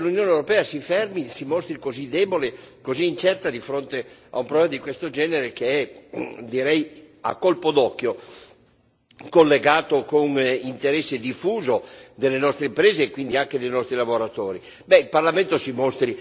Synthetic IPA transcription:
lunjoːnewɾopɛːasifɛrmisimost̪ɾikozid̪ɛːbolekoziːnt͡ʃɛrt̪ad̪ifɾont̪ea̰umpɾoblɛmad̪ikwest̪od͡ʒɛːneɾekeɛd̪iɾɛj | a̰kːolpod̪ɔkːjo | kolːeɡaːt̪okonint̪eɾɛsːed̪ifuːzod̪elːenɔst̪ɾeimpɾeːzeːkwind̪iaŋk̟ed̪ejnɔst̪ɾilavoɾat̪oːɾi | bɛilparlament̪osimost̪ɾi

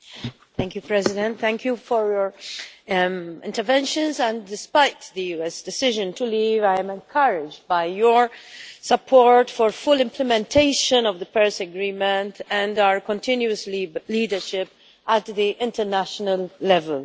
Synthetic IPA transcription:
θæ̃ŋkjupɹɛzɪdɛ̃nt̪θæ̃ŋkʰjufɔɹjɔɹ | ɪ̰̃ntəɾvɛ̃nʃə̃nzæ̃ndɪspaɪt̪d̪əjuːɛsdɛsɪʒə̃ntuliːvajɛ̃mɛ̃nkʰʌɾɪd͡ʒbaɪjɔɹsəpʰɔɹtfɔɹfʊlɪ̃mpʰlɛmɛ̃ntʰeɪʃə̃nɔvðəpɛɹsəɡɾĩːmɛ̃ntæ̃ndaəɹkɔ̃ntɪ̃njuəsliːdəɹʃɪp | ʔætd̪iʔɪ̃ntəɹnæʃɔnəlːɛvəl

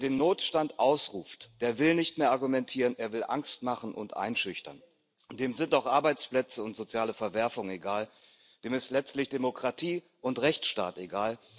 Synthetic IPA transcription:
deːnːoːtʃtantʔaʊsʁuːftd̥eːɐvɪlnɪçtmeːɐʔaɐɡumɛntʰiːʁənʔeːɐvɪlʔa̰ŋstmaχn̩ʔʊ̰ntʔa̰ɪnʃʏçtɐ̰n | d̥eːmzɪntaʊxʔaɐbaɪt͡splɛt͡səʊntz̥ot͡sjaːləfɛɐvɛɐfʊŋeɡaːl | d̥eːmɪstlɛt͡stlɪçd̥emokʁ̥atʰiː | ʔʊntʁɛçt͡sʃta̰ːteɡaːl

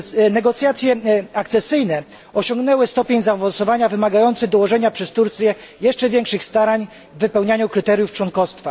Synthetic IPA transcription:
nɛɡɔt̪sʲjat̪sʲjɛakt̪sɛsɘjnɛ | ɔɕɔŋɡnɛwɘst̪ɔpʲjeɲzavɔnsɔvaɲavɘmaɡajɔnt̪sɘɣd̪ɔwɔʐɛɲapʂɛst̪uɾt̪sʲjɛ | jɛʂt͡ʂɛvʲjɛŋkʂɘxst̪aɾaɲ | vvːɘpɛwɲaɲukɾɘt̪ɛɾʲjuft͡ʂwɔnkɔst̪fa

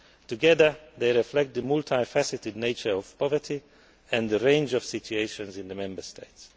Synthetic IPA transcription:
tuɡɛðə˞ðeɪɹɪflɛk̚t̪̚d̪əmultʰaɪfæsɪtɪdneɪt͡ʃə˞ɔv̥pɔvə˞tʰi | ɛ̃nd̪əɹẽɪ̃nd͡ʒɔv̥sɪtʰueɪʃɔ̃nzɪ̃ndəmɛ̃mbə˞stʰeɪts

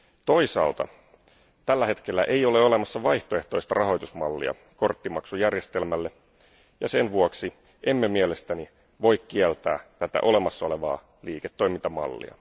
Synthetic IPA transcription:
t̪o̞isɑ̰ːlt̪ɑ̰ | t̪ælːæhe̞t̪k̟elːæʔe̞ijo̞le̞o̞le̞mɑsːɑʋɑjht̪oe̞ht̪o̞ist̪ɑrʔɑɦo̞jt̪usmɑlːḭɑ̰ | ko̞rt̪ːimɑksujærjest̪e̞lmælːe | jɑse̞nʋuoksi | ʔe̞mːemielest̪æni | ʋo̞jkkiɛlt̪æ̰ːt̪æt̪æ̰ʔo̞le̞mɑsːɑo̞le̞ʋɑ̰ː | liːket̪ːo̞imint̪ɑmɑ̰lːḭɑ̰

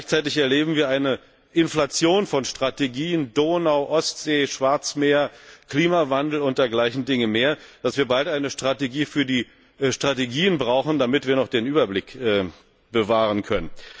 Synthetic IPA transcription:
ɡlaɪçt͡saɪtɪçɛɐleːbm̩viːɐaɪnə | ʔɪnflat͡sjoːnfɔnʃtʁ̥ateɡiːəndoːnaʊʔɔstz̥eːʃv̥aɐt͡smeːɐkl̥iːmavandl̩ʊnt̚d̥eːɐɡlaɪçn̩dɪŋəmeːɐd̥asv̥iːɐbaltʔaɪnəʃtʁ̥ateɡiːfyːɐdiː | ʃtʁ̥ateɡiːənbʁaʊxn̩damɪtv̥iːɐnɔχd̥eːnʔyːbɐblɪkɛː | bəvaːʁənkʰœnən

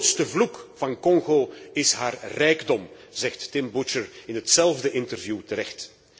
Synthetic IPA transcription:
tstəvlukv̥ɑnkɔŋɣoɪsɦaːrrɛjɡdɔm | zɛxtːɪmbut͡ʃəɹɪnɦətsɛlˠvdəʔɪntərvjuːtəɾɛxt

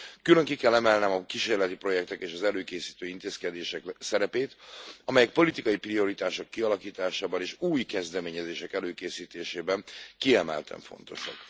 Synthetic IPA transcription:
kylø̞ŋkikɛlːɛmɛlnɛmɒkiʃeːrlɛt̪ipro̞jɛk̚t̪ɛkeːʃɒzɛløːkeːsiːt̪øːint̪eːskɛd̪eːʃɛksɛɾɛpeːt̪ɒmɛjɛk̚po̞lit̪ikɒjiprio̞ɾit̪aːʃo̞kːiɒlɒkiːt̪aːʃaːbɒneːʃuːjkɛzd̪ɛmeːɲɛzeːʃɛkɛløːkeːsiːt̪eːʃeːbɛnkiɛmɛ̰lt̪ʰɛ̰ɱfo̞̰nt̪o̞̰ʃɒ̰k

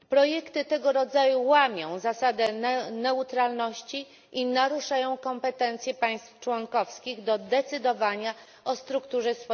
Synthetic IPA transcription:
pɾɔjɛkt̪ɘt̪ɛɡɔɾɔd̪zajuwamʲjɔ̃w̃zasad̪ɛnɛut̪ɾalnɔɕt͡ɕi | ʔinaɾuʂajɔ̃w̃kɔmpɛt̪ɛnt̪sʲjɛpaj̃st̪ft͡ʂwɔŋkɔfskʲiɣd̪ɔd̪ɛt̪sɘd̪ɔvaɲa | ɔst̪ɾukt̪uʐɛsfɔ

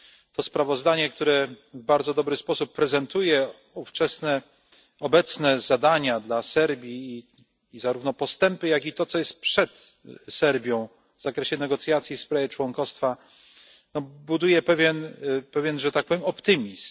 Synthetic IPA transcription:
t̪ɔspɾavɔzd̪aɲɛkt̪uɾɛvbaɾd̪zɔd̪ɔbɾɘspɔsupːɾɛzɛnt̪ujɛ | uft͡ʂɛsnɛ | ɔbɛt̪snɛzad̪aɲad̪lasɛɾbʲjiː | zaɾuvnɔpɔst̪ɛmpɘjaɡʲit̪ɔt̪sɔjɛst̪̚pʂɛt̪sɛɾbʲjɔ̃w̃ | vzakɾɛɕɛnɛɡɔt̪sʲjat̪sʲjifspɾavʲjɛt͡ʂwɔŋkɔst̪fa | nɔbud̪ujɛpɛvʲjɛnpɛvʲjɛnʐɛt̪ak̚pɔvʲjɛmɔpt̪ɘmʲis

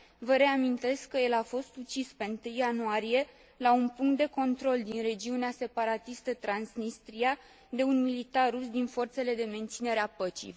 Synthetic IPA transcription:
vəɾe̞amint̪e̞skːəje̞lafo̞st̪ut͡ʃispe̞nt̪ɨjːanuaɾije̞ | launpuŋkt̪̚d̪e̞ko̞nt̪ɾo̞ld̪inre̞d͡ʒiunease̞paɾat̪ist̪ət̪ɾansnist̪ɾija | d̪e̞unmilit̪arusd̪info̞rt̪se̞le̞d̪e̞me̞nt̪sine̞ɾeapət͡ʃḭj

